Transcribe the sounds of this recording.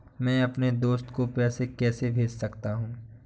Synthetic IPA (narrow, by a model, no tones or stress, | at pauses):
mɛ̃ːɐpned̪oːst̪kopɛːsekɛːsebʱeːd͡ʒsɐkt̪aɦũː